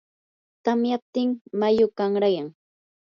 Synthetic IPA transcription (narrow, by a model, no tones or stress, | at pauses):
t̪amjap̚t̪ɪŋmajʊkaŋɾajaŋ